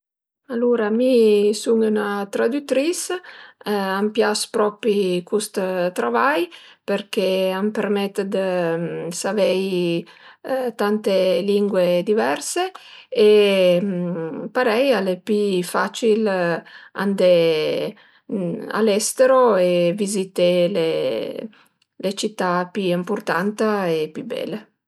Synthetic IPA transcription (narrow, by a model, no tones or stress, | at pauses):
aluɾamisuŋunat̪ɾad̪yt̪ɾis | ampjaspɾɔpikust̪t̪ɾavajpeɾk̟eampeɾmɛt̪ːd̪əsavɛj | t̪ant̪eliŋɡwed̪ivɛɾsee | paɾɛjalepifat͡ʃil | a̰nd̪e | a̰lɛst̪eɾoevizit̪ele | let͡ʃit̪ːapiimpurt̪ant̪aepibɛ̰lːe